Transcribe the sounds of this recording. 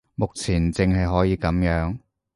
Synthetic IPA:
mʊ˨k̚t͡sʰiː˨˩nt͡sɪ˨˧ŋɦɐ˨jɦɔː˨˥jiː˨˧kɐ˨˥mjœː˨˥ŋ

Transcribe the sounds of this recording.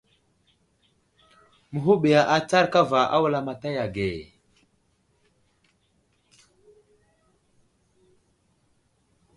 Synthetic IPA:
mu˨ɦu˦ɓi˨ja˨ʔa˨t͡sa˦ɾka˦va˨ʔa̰˦wu˦la˨ma˨ta˦ja˨ɡe˨

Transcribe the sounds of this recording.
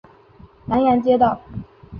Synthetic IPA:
na˧˥nja˧˥nt͡ɕjɛ˥t̪ɑ˥˩ʊ

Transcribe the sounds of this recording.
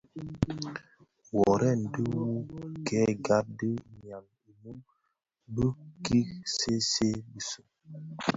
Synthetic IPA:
wɔ˨ɾɛ˦˨n̩˨də˦wu˦kɛ˦˨ɡa˦t̚də˦ɲ˨a˨m | i˨mu˦m | bə˦ki˦kse˦se˦bi˦sə˨

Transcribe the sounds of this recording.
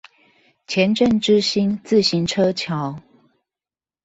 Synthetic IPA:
t͡ɕʰjɛ˨˦nʈ͡ʂə˥˨nʈ͡ʂɻ̩˦ɕi˦˥nt͡sɹ̩˥˨ɕi˨˦nʈ͡ʂʰɤ˦t͡ɕʰjɑ˨˦ʊ

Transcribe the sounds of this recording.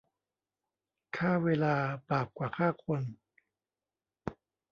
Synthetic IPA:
kʰaː˥˩weː˧laː˧baː˨˩p̚kwaː˨˩kʰaː˥˩kʰo˧n

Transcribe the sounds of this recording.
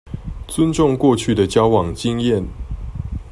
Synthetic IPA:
t͡sʊ˦nʈ͡ʂʊ˥˧ŋkwɔ˥˧t͡ɕʰy˥˩d̪ə˩t͡ɕjɑ˦ʊwɑ˨˩ŋt͡ɕi˥ŋjɛ˥˨n

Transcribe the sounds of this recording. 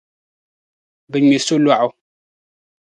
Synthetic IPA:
bɨ˨ɲe˨su˦lwa˦˨ʔʊ˨

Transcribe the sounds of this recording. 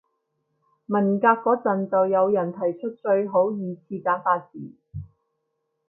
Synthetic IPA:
mɐ˨˩nkaː˧kːɔː˨˥t͡sɐ˨nt͡sɐ˨wjɐ˨˧wjɐ˨˩nt̪ʰɐ˨˩jt͡ʃʰɵ˥t̚t͡ʃɵ˧ɥɦo˨˥wjiː˨˧t͡sʰiː˧kaː˨˥nfaː˧t̚siː˨˩

